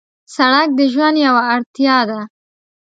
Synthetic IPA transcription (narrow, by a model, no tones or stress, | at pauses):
saɽak̚d̪əʒwand̪jawaːɽt̪jɑd̪a